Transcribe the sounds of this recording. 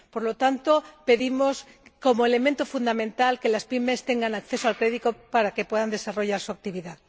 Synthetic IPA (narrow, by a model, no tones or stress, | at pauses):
po̞ɾlo̞t̪ant̪o̞pe̞ðimo̞s | ko̞moele̞ment̪ofund̪amẽ̞nt̪alke̞laspime̞st̪e̞ŋɡanakθe̞soalkɾe̞ðit̪opaɾake̞pwe̞ðand̪e̞saro̞ʝaɾsuak̚t̪iβ̞iða